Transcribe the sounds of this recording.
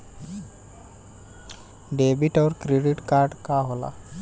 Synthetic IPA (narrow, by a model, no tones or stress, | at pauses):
ɖebiʈawɾkɾeɖiʈkaɾɖkaɦola̰